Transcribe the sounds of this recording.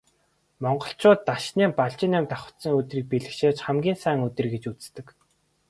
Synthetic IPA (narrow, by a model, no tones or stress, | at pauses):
mɔɴɢɞ̆ɬt͡ɕʰʊːt̪ːaʃniːmpaɮt͡ɕɪ̆namt̪aχə̥̆t̪sə̆ŋɵt̪riːk̚piɮɘ̆kʃeːt͡ɕχæmɡʲiːnsæːŋɵt̪ɘ̆rɡet͡ɕut͡s̆st̪ɘ̆k